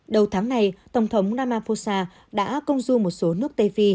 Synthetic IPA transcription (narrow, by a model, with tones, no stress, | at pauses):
ɗə˨˩wt̪ʰaː˨˦ŋna˨˩jt̪ə˧˩wŋ͡mt̪ʰə˨˦wŋ͡mnaː˧maː˧fo˧saː˧ | ɗa̰ː˧˥kə˧wŋ͡mzu˧mo˨˩t̚so˨˦nɨ˦˥ək̚t̪e˧fi˧